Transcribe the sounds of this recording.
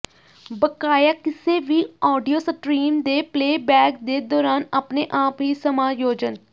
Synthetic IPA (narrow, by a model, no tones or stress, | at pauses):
bəkaːjaːkɪseːʋiːɔːɖijoːsəʈɾiːmd̪eːpleːbɛːkd̪eːd̪ɔːɾaːnaːpneːʔaːpɦiːsəmaːjoːd͡ʒən